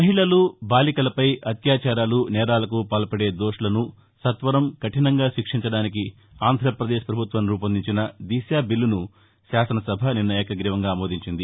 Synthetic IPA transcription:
mɐɦiɭɐlubaːlikɐlɐpɐjɐt̪jaːt͡ʃaːɾaːlunɛːɾaːlɐkupaːlɐpɐɽe̞ːd̪oːʂɐlɐnu | sɐt̪ʋɐɾɐmkɐʈinɐŋɡaːʃikʂiɲt͡ʃɐɽaːniki | aːnd̪ʱɾɐpɾɐd̪eːʃpɾɐbʱut̪ʋɐnɾuːpɐnd̪iɲt͡ʃinɐd̪iːsjaːbilːunu | ʃaːsɐnɐsɐbʱɐninːɐjɛːkɐɡɾiːʋɐŋɡaːmoːd̪ʱiɲt͡ʃind̪i

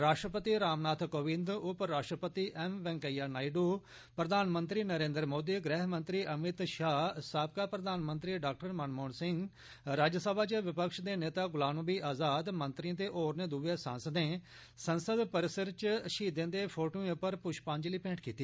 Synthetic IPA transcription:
ɾaːʂʈɾəpət̪iːɾaːmnaːt̪ʰkoːʋɪ̃nd̪ʊpɾaːʃʈɾəpət̪iːʔɛmʋɛ̃ːŋkəjaːnaːiɖoː | pɾəd̪aːnmənt̪ɾiːnəɾẽːnd̪ɾmoːd̪iːɡɾɛːɦmə̃nt̪ɾiːʔəmɪt̪ʃaːsaːp̚kaːpɾəd̪aːnmə̃nt̪ɾiːɖaːk̚ʈəɾmənmoːnsɪŋɡ | ɾaːd͡ʒəsəbaːt͡ʃʋɪpəkʃd̪eːneːt̪aːɡʊlaːnbiːʔaːzaːd̪mə̃nt̪ɾiə̃t̪eːʔoːɾneːd̪uːʋeːsãːnsəd̪nẽː | sənsəd̪pəɾɪsəɾt͡ʃʃiːd̪ẽːd̪eːpʰoːʈoːẽpəɾpʊʃpãːɲd͡ʒliːpẽːɳʈʰkiːt̪iː

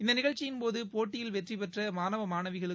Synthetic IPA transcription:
ɪnd̪ɐnɪɣɐɭt͡ʃːɪjɪnpoːðɯpoːʈːɪjɪlʋɛʈripɛʈrɐmaːnɐʋɐmaːnɐʋɪɣɐɭɯ

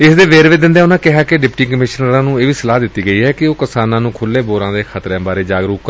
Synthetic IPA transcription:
ɪsd̪eːʋeːɾʋeːd̪ɪ̃nd̪eɛːʊnãːkɪɦaːkɪɖɪpʈiːkəmɪʃnəɾãːnũːeːʋiːsəlaːd̪ɪt̪ːiːɡəiːɦɛːkɪoːkəsaːnãːnũːkʰʊlːeːboːɾãːd̪eːkʰət̪ɾẽːbaːɾeːd͡ʒaːɡɾuːkː

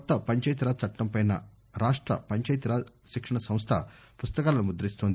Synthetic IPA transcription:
kɔt̪ːɐpɐɲt͡ʃɐjt̪̬iɾaːt͡ʃɐʈːɐmpɐjnɐ | ɾaːʂʈɾɐ̰pɐɲt͡ʃɐjt̪iɾaːʃikʂɐɳɐsɐ̃mst̪ʰɐ̰pust̪ɐkaːlɐnumud̪ɐɾist̪oːnd̪i

